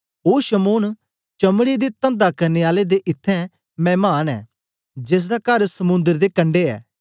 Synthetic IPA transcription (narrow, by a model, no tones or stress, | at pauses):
oːʃəmoːn | t͡ʃɐmɽid̪it̪ə̃nd̪akɐɾneːaːled̪eʔɪt̪ʰːɛ̃ | mɛ̃ːmaːnɛ̰ː | d͡ʒɪs̬d̪akɐɾsɐmʊ̃nd̪əɾd̪ekɐ̃ɳɖeɛ̰ː